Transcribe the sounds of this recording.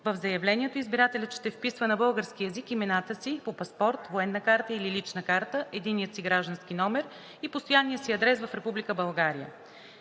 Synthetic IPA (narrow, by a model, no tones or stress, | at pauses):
vəvzɐjɐvlɛnʲiɛt̪oizbiɾat̪ɛlʲət̪ʃt̪ɛfpisvənɐbɤlˠɡəɾskiɛzikimɛnat̪əsipopɐspɔɾt̪voɛnːəkaɾt̪əililit͡ʃnəkaɾt̪əʔɛd̪inːijət̪siɡɾaʒd̪ənsk̟inɔmɛɾ | ipost̪ojanːijəsiɐd̪ɾɛsvəfɾɛpublikəbɐlˠɡaɾijə̰